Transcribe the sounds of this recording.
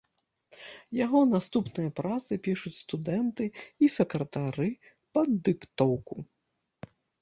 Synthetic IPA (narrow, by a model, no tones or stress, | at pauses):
jaɣɔnast̪upnɨjɐpɾat̪sɨpʲiʂut͡sʲst̪ud̪ɛnt̪ɨisɛkɾɐt̪aɾɨ | pɐd̪ːɨkt̪ɔwku